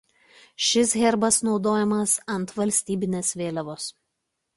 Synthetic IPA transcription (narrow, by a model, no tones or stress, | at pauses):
ʃʲɪs̬ɣʲɛɾbɐsnɒʊd̪oːjɛmɐsɐnˑt̪ʋɐlʲsʲt̪ʲiːbʲɪnʲeːsʋʲeːlʲɛʋoːs